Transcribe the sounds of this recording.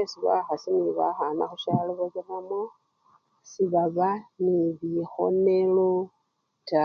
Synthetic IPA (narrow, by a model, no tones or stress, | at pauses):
esiβa̰xasiniβaxana̰xuʃaliβoɣeramo | siβaβaniβixo̰nelo | ta